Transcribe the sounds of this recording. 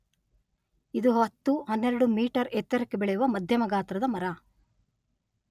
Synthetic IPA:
id̪uɦɐt̪ːuɦɐnːeɾɐɽumiːʈɐɾet̪ːɐɾɐkːebeɭɛjuʋɐmɐd̪ʱjɐmɐɡaːt̪ɾɐd̪ɐmɐɾɐ

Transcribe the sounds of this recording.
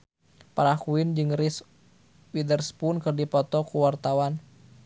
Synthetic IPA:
paɾakuɪnd͡ʒɨŋris | widərspunkɨrdipɔt̪ɔkuwart̪awan

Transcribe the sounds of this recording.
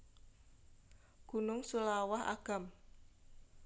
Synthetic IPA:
ɡ̥unʊŋsulawaɦa̰ɡ̥a̤m

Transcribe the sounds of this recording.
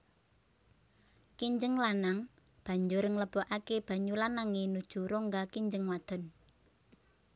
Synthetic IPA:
kiɲd͡ʒəŋlanaŋ | b̥a̤ɲd͡ʒʊɾəŋləb̥ɔʔakeb̥a̤ɲulanaŋenud̥ʒ̥ṳɾoŋɡakiɲd͡ʒəŋwad̪̥ɔ̤n

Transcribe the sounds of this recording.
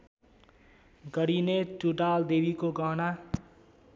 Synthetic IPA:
ɡʌɽinetuɖald̪ebikoɡʌɦna

